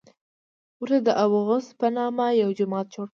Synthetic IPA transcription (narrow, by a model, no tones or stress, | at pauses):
ɾəd̪əʔawɣʊspənɑmajawd͡ʒʊmɑt̪̚t͡ʃoɽ